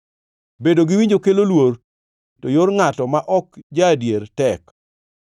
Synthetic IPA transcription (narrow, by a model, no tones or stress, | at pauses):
bedoɡɪwiɲd͡ʒokelolwor | tojoɾŋatɔmaʔɔkd͡ʒadjeɾtɛk